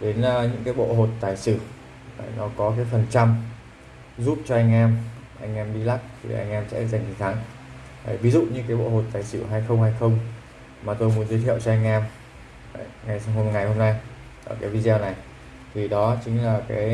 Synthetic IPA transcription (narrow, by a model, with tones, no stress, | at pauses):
ɗe˨˦nː˧ɲɨ̰˧˥ŋkaː˨˦jɓo̰˧˨ɦo˨˩t̚t̪aː˨˩jsɨ̰˧˩˨ | nɔ˨˦kɔ˨˦kaː˨˦jfə˨˩nt͡ɕa˧m | zu˦˥p̚t͡ɕɔ˧ʔa˧jŋ̟ʔɛ˧m | ʔa˧jŋ̟ʔɛ˧mɓḭ˧la˦˥k̚t̪ʰḭ˨˩ʔa̰˧jŋ̟ʔɛ˧msɛ̰˧˥za˨˩ŋ̟i˨˩t̪ʰaː˨˦ŋ˨˩ | vi˨˦zṵ˧˨ɲɨ̰˧˥ŋkaː˨˦jɓo̰˧˨ho˨˩t̚t̪aː˨˩jsɨ̰˧˩ɦaː˧jxə˧wŋ͡mhaː˧jxə˧wŋ͡m | maː˨˩t̪o˧jmu˨˦ənzwə˨˦t̪ʰḭ˧˨ə˨wt͡ɕɔ˧ʔa˧jŋ̟ʔɛː˧m˨˩ | ŋa˨˩jɦo˧ŋa˨˩jho˧mna˧j | ʔəː˨˩kaː˨˦jvi˧zɛ˧wna˨˩j | t̪ʰi˨˩ɗɔ˨˦t͡ɕï˨˦ŋ̟laː˨˩kaː˨˦j